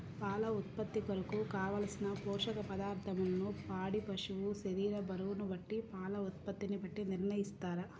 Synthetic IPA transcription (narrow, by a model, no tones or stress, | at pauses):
paːlɐut̪̚pɐt̪ːikɐɾɐkukaːʋɐːlɐsinɐpɔːʂɐkɐpɐd̪aːɾt̪ʰɐmɐlɐnupaːɽipɐʂuʋuseɾiːɾɐbɐɾuʋunubɐʈːipaːlɐut̪̚pɐt̪ːinibɐʈːiniɾɳɐjist̪aːɾɐ